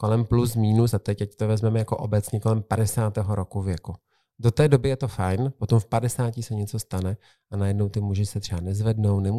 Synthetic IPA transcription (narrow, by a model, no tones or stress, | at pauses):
ko̞lɛmplus̬miːnusat̪ɛcɛct̪ovɛzmɛmɛjako̞ʔobɛt͡sɲiːko̞lɛmpadɛsaːt̪ɛːɦoɾo̞kuvjɛku | dot̪ɛːdo̞bɪjɛt̪o̞fajnpot̪o̞mfpadɛsaːcɪsɛɲɛtt͡so̞st̪anɛ | ʔanajɛdno̞wt̪ɪmuʒɪsɛt̪r̥ɛanɛzvɛdno̞wnɛmu